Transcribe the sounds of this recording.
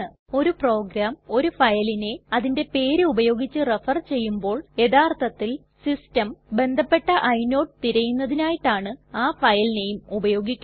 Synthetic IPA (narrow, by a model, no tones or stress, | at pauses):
ɨ | o̞ɾupro̞ːɡɾaːmo̞ɾufɐjline̞ɐðinde̞pe̞ːɾɨubɐjo̞ːɡit͡ɕːɨrefɐrt͡ɕe̞jːumbo̞ːɭje̞ðaːrt̪ʰɐt̪ːil | sistɐmbe̞nd̪ʱɐpːe̞ʈːɐʔɐjno̞ːʈt̪iɾɐjunːɐðinaːjiʈːaːɳɨaːfɐjline̞jumubɐjo̞ːɡikʲːu